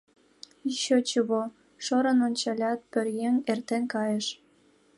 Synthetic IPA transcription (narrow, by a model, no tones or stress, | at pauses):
iɕot͡ɕuβo | ʃoɾə̆nonʲt͡ɕɑlʲɑt̪̚pørjeŋert̪enkɑjeʃ